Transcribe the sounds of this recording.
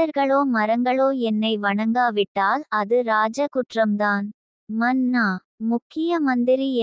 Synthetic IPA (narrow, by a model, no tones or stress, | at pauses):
ɐɾɣɐɭoːmɐɾɐŋɡɐɭoːɛnːɐɪʋɐɳɐŋɡaːʋɪʈːaːlɐðɯɾaːd͡ʒɐkʊʈrɐmd̪aːn | mɐnːaː | mʊkːɪjɐmɐnd̪ɪɾi